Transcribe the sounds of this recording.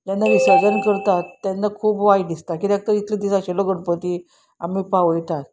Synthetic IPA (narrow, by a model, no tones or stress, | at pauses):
d͡ʑanːaʋisad͡zənkəɾt̪at̪ːjanːakʰuːpʋajɖd̪ist̪akit̪ak̚t̪əɾit̪led̪isaɕelɔɡəɽpət̪i | a̰mipaʋəjt̪at̪